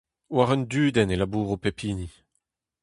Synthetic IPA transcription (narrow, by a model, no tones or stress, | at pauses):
waʁɛnd̪yːd̪ɛnelabuːʁopepʰiːni